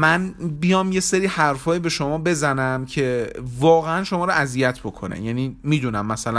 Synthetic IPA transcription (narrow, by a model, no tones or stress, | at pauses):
mænbijɒːmje̞seɾiːhæɾfɒːjibe̞ʃo̞mɒːbe̞zænæmcʰe̞vɒːɣeænʃomɒːɾoʔæzijæt̪ʰb̥o̞kʰo̞̰nḛjæniːmiːd̪unæmːæsælæ